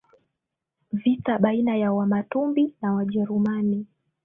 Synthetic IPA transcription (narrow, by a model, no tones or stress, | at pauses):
vitaɓainajawamatumbinawaʄɛɾumani